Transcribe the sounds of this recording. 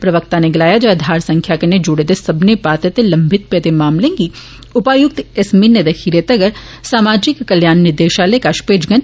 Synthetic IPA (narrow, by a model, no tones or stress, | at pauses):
pɾɐʋək̚t̪aneɡɪlaːjad͡ʒɐd̪ʱaːɾsɐ̃ŋkʰjakened͡ʒʊɽed̪esɐbnepaːt̪ət̪elɐ̃mbʱɪt̪̚pet̪emaːmlẽːŋɡi | ʊpaːjʊk̚t̪ɪsminːed̪ɐkʰiːɾet̪ɐɡəɾ | saːmaːd͡ʒɪkːɐljaːnːɪɾd̪eːʃaːlekaʃpeːd͡ʒɡən